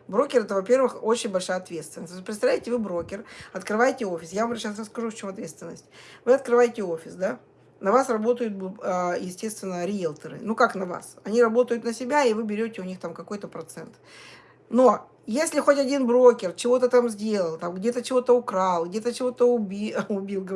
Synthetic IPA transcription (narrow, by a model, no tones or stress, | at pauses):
bɾo̞kʲɪrɛt̪əvɐpʲe̞rvɨxo̞t͡ɕɪnʲbɐlʲʂajəɐt̪vʲe̞t̪st̪vʲɪnəsʲt̪osʲpɾʲɪt̪sɐvlʲɪtʲɪvɨbɾo̞kʲɪrɐt̪kɾɨvajɪtʲɪo̞fʲɪsjavɐmrɕasrəskɐʐuft͡ɕo̞mɐt̪vʲe̞t̪st̪vɪnːəsʲtʲvɨɐt̪̚kɾɨvajɪtʲɪofʲɪsd̪a | nɐvasrɐbo̞t̪əjʊt̪̚bəjɪsʲtʲe̞st̪vʲɪnːəɾʲɪjelˠt̪əɾɨ̰nukaknɐva̰sɐnʲiɾɐbo̞t̪əjʊt̪nəsʲɪbʲaɪvɨbʲɪɾʲotʲɪʊnʲixt̪amkɐko̞jt̪əpɾɐt̪sɛnt̪ | no̞ | jesʲlʲɪxo̞tʲɐdʲinbɾokʲɪrt͡ɕɪvo̞t̪ət̪amzʲdʲe̞lˠəlˠt̪amɡdʲet̪ət͡ɕɪvo̞t̪əʊkɾalˠɡdʲe̞t̪ət͡ɕɪvo̞t̪əʊbʲiʊbʲilˠɡ